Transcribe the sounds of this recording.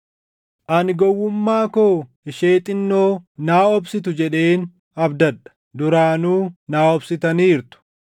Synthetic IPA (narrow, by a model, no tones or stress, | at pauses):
ʔɐnɡɔwːʊmːaːkoː | ɪʃe̞ːt̪ʼɪnːoːnaːɔbsɪt̪ʊd͡ʒɛᶑe̞ːn | ɐbd̪ɐdɐ̥ | d̪ʊɾaːnuːnaːɔbsɪt̪ɐniːɾt̪ʊ̥